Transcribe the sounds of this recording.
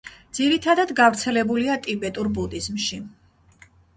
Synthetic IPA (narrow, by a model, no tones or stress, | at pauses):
d̪ziɾit̪ʰad̪ad̪ɡavɾt̪sʰɛlɛbuliat̪ʼibɛt̪ʼuɾbud̪izmʃi